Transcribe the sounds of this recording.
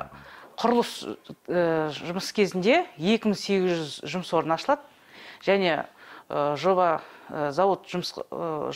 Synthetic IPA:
qʰʊɾʊlˠəsəʒʊməskʲʰezɪnd̪e̞je̞kʲɪmɪŋse̞ɡʲɪzʒʏzʒʊməswo̞ɾənɑʃəlˠɑd̪ə | ʒ̥æne̞ | ʒo̞bɑzɑwo̞t̪ʒʊms

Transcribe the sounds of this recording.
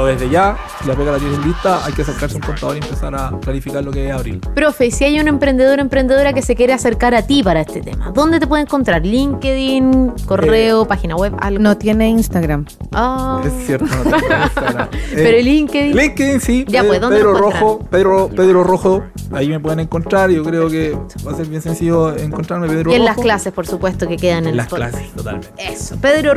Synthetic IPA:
oðeðeʝa | silapeɣalat̪elelːit̪aʔa̰jkeaseɾkaɾseuŋkont̪aðoɾiempesaɾaklaɾifikaɾlokeeaβɾḭɾpɾofesiajunaempɾe̞nd̪e̞ð̞o̞ɾempɾend̪eðo̞ɾake̞sekje̞ɾease̞ɾkaɾat̪ipaɾaest̪et̪ḛma̰ðo̞nd̪et̪̬epweeŋko̞nt̪ɾaɾliŋkeðinkoreopaxinaweβa̰lɣnot̪jeneinst̪aɣɾam | aesːjeɾt̪onoaɾppeɾoeliŋkeðiliŋkeðinsiɟ͡ʝaweðonpeeðɾoroɾxopeðɾoopeðɾoroxo | aimepweðeneŋkont̪ɾaɾʝokɾeokebaseɾβjensensiʝoeŋkontɾaɾmepeðɾoellasklasespoɾsupwest̪okekeðanenlapolasest̪ot̪a̰lmeeso̥peðɾo

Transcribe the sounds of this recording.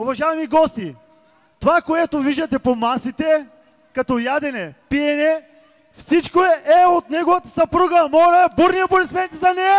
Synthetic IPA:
ʊvɐʒaɛmiɡɔst̪i | t̪ovakoɛt̪oviʒd̪ɐt̪ɛpomasit̪ɛ | kɐt̪ɔjad̪ɛnɛpiɛnɛ | fsit͡ʃkoɛʔɛot̪nɛɡovɐt̪ɐ̥sɐpɾuɡəmɔɾɐɛbuɾnijɐboɾɛsmɛnt̪ɛzɐnɛ

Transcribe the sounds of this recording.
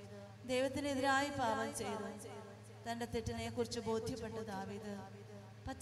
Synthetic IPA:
d̪ejʋɐt̪ːineðiɾaːjibaːʋɐmt͡ɕe̞jðu | t̪ɐnɖe̞t̪iʈːɐnekːurit͡ɕːɨbo̞ːd̪ʱjɐpːe̞ʈːɐd̪aːʋiːd̪ɨ | pɐt̪ː

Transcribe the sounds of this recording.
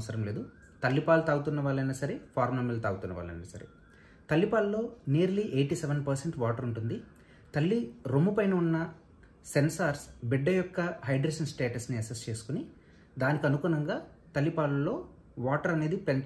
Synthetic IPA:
sɐɾɐmle̞ːd̪u | t̪ɐlːipaːlut̪aːɡut̪unːɐʋaːɭːɐjnɐsɐɾepʰaːɾmlɐmelt̪aːɡut̪unːɐ̰ʋa̰ːlɐ̰jnɐsɐɾḛ | t̪ɐlːipaːllo̞ːnijɐɾliʔejʈiseʋɐnpɐɾseɳʈʋaːʈɐɾuɳʈund̪i | t̪ɐlːiɾomupɐjnɐunːɐ | sensaːɾsbiɖːɐjɔkːɐɦɐjɖɾɐːʃɐnsʈeːʈɐsniɐsest͡ʃe̞ːsu̥kuni | d̪aːnikɐnukuːnɐŋɡaː | t̪ɐlːipaːlulːo̞ː | ʋaːʈɐɾɐne̞ːd̪ipen

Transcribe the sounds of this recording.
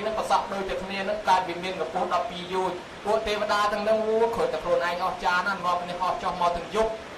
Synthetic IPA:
nɨŋpəsɑp̚ɗoːc̚t̪ɛəkʰniənɨŋkaːt̪̚ʋiəmiənːupuəhɗɑpːiːjuːɲ̚ | puəʔt̪eːʋə̆ɗaːt̪ɨ̆əŋnɨŋruəkʰoːjt̪aəkʰluənʔaɛŋʔɑht͡ɕaːnannŏəpniəhʔɑt͡ɕohmaɔt̪ɨ̆əŋjup̚

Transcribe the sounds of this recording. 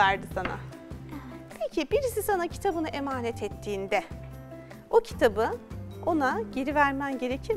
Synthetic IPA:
æɾd̪ɯsana̰ | pʰecʰibiɾisisanacʰi̥t̪ʰabɯnɯʔe̞maːnɛt̪ʰɛt̪ʰːiːnd̪ɛ | ocʰi̥t̪ʰabɯo̞naɟeɾivæɾmænɟe̞ɾecʰi

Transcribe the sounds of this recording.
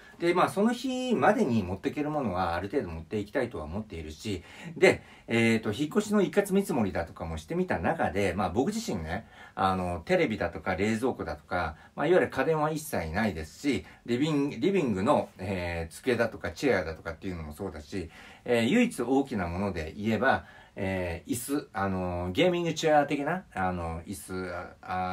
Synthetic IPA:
d̪̥e̞maːso̞no̞çimad̪e̞ɲ̟imo̞t̪ːe̞ke̞ɾɯ̟mo̞no̞ɡaːɾɯ̟t̪e̞ːd̪o̞mo̞t̪ːe̞ikʲi̥t̪ait̪o̞βa̰omo̞t̪ːe̞iɾɯ̟ɕid̪e̞ | eːt̪ːo̞çikːo̞ɕino̞ikːat͡sɨmʲit͡sɨmo̞ɾʲid̪at̪o̞̥kamo̞ɕi̥t̪e̞mʲit̪anakad̪e̞maːbo̞kɯ̟ʑiɕĩnːɡeano̞t̪e̞ɾe̞bʲid̪at̪o̞kaɾe̞ːzo̞ːkɯ̟d̪at̪o̥ka | maiβaɾɯ̟kad̪ẽ̞ɰ̃βaisːainaid̪e̞sɨ̥ɕiɾʲiiɾʲibʲĩŋɡɯ̟no̞et͡sɨ̥ke̞d̪at̪o̞kat͡ɕead̪at̪o̞kat̪ːe̞iɯ̟no̞mo̞so̞ːd̪aɕi | ejɯ̟it͡sɨo̞ːkʲinamo̞no̞d̪e̞̰ʔie̞ba | eːisɨano̞ɡe̞ːmʲĩŋɡɯ̟t͡ɕɨaːt̪e̞kʲinaano̞isɨa

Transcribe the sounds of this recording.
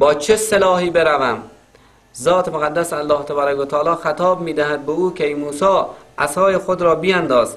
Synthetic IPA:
bɒːt͡ʃʰeselɒːhiːbeɾævæm | zɒːt̪ʰemoɣad̪ːæsalːɒːht̪ʰebɑːɾakot̪ʰɒːlɒːxat̪ʰɒːbmiːd̪æhæd̪̚beuːkʲʰejmuːsɒːʔasɒːjexod̪ɾɒːbiænd̪ɒːz

